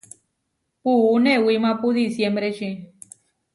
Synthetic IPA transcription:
puunewimãpud̪isjembɾet͡ʃi

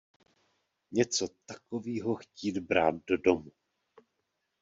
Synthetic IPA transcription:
ɲɛt͡so̞t̪ḁkoviːɦoxciːd̪bɾaːt̪̚dodomu

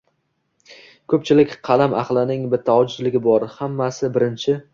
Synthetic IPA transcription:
kʰɵp̚t͡ʃʰɪlɪkʲqʰɑlamʔɑ̰χlˠɪnɪŋbɪt̪ʰːaɒd͡ʒʊzlɪɡʲɪbɒɾhamːasɪbɪɾɪnt͡ʃʰɪ

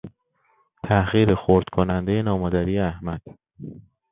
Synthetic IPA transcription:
t̪ʰæɣiːɾexoɾd̪̥kʰonænd̪e̞jenɒːmɒːd̪æɾiːjeæhmæd̪̥

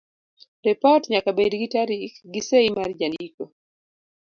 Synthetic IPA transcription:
ripɔtɲakabedɡitaɾiɡiseimard͡ʒandiko

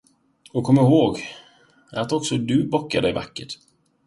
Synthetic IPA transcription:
ɔkʰɔmːaɪɾhoːɡ | at̪ɔksɔd̪ɵbɔkːa̰ɖɛjva̰kːəʈ

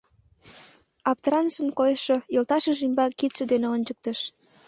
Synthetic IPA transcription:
ɑpt̪əɾɑnʃənkojəʃojolt̪ɑʃəʒymbɑkit̪ʃə̆d̪eneonʲt͡ɕək̚t̪əʃ

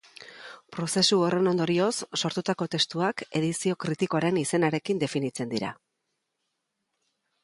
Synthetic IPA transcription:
pɾo̞se̞suore̞no̞nd̪o̞ɾio̞sːo̞ɾt̪ut̪ako̞t̪e̞st̪uake̞ðisio̞kɾit̪iko̞aɾe̞nise̞naɾe̞kind̪e̞finit͡se̞nd̪iɾa̰

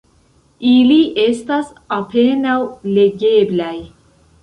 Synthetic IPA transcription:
iliʔe̞stas | ape̞nawle̞ɡe̞blaj

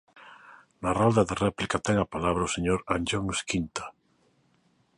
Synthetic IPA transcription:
narald̪aðerɛplikat̪ɛŋapalaβɾaoseɲoɾand͡ʒoŋskint̪ḁ

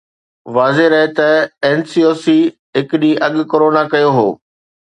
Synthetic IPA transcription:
ʋaːzeɾɐɦet̪ɐɛːnsiːoːsiː | ɦɪkɗĩːʔɐɠ̆koːɾoːnakɐjoɦoː

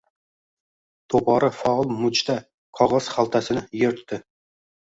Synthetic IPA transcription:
t̪ʰopɒɾafalˠmʊt͡ʃt̪ʰa | qʰɒʁɑz̥χalˠt̪ʰasɪnɪjeɾt̪ʰːɪ

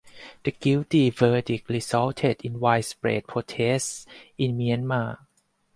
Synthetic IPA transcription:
d̪̥əɡiwtifəːdik̚lisɔːwt̪ʰet̪ʔinwaːjspɾḛːt̪̚pʰoːt̪ʰeːsʔinmianmaː

